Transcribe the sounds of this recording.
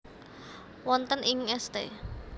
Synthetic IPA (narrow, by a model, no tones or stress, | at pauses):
wɔnt̪ənɪŋɛst̪ḛ